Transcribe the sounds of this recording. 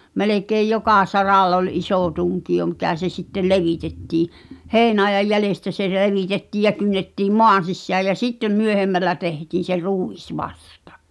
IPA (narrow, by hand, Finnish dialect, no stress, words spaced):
melekeːj jokɑˑ sɑrɑlː ol ʔisoˑ tuŋkio mikæ se sitːel leʋitetːiː heˑi̞nɑejɑj jælestæ se leʋitetːiːj jɑ kynːetːiːm moɑn̞ sisːæːj jæ sitːem myøhemːælːæ tehtiːn̞ se ruˑis ʋɑstɑ̥